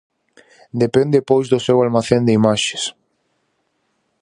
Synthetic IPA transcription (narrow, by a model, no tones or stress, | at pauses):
d̪epẽnd̪epojzðosewalmaθend̪eimaʃe̥s